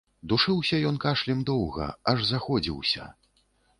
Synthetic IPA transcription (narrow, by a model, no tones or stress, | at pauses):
d̪uʂɨwsʲɐjɔnkaʂlʲɛmd̪ɔwɣɐ̰ɐʐzaxɔd͡zʲḭwsʲɐ̰